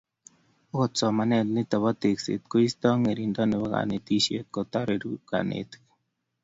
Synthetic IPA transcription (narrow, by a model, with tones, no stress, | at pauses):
o˦˨tsɔ˨ma˨nɛ˦˨t̪̚nɪ˦t̪ɔ˨βɔ˦t̪e˨ksḛ˨t̪̚ko˦i˦st̪ɔ˦ŋe˨ɾi˨ndɔ˦nɪ˨bɔ˦ka̰˨ne˨t̪i˦ʃje˦t̪̚kɔ˨t̪a˦ɾe˨ɾu˦ɡa̰˨nḛ˨t̪